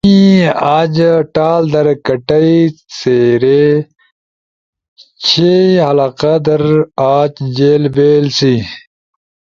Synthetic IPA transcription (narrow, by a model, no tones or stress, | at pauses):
iaːd͡ʑʈaːld̪ɐɾkɐʈɐit͡seːɾe | t͡ɕʰehɐlaːqad̪ɐɾaːt͡ʃd͡ʑeːlbeːlsi